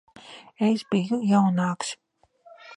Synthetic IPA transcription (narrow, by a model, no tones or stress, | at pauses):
esbijujawnaːkʃ